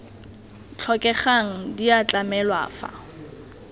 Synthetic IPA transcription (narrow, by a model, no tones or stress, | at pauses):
t͡ɬʰɔkʼɛχaŋ̩diat͡ɬʼamɛlwa̰ːfa̰